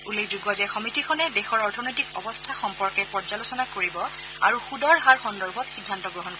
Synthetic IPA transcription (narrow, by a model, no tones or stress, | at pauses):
ulekʰzuɡɔzɛxɔmitikʰɔnɛdexɔɹɔɹtʰɔnɔjtikɔbɔstʰaxɔmpɔɹkɛpɔɹd͡ʒalosɔnakoɹibɔ | a̰ɹuxudɔɹɦaɹxɔndɔɹbʱɔtxidʱːantɔɡɹɔɦɔnɔ